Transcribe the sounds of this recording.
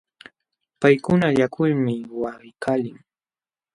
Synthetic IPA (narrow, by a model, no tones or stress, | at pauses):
pajkʊnaʎakʰʊlmɪwaɢɪkʰaːlɪŋ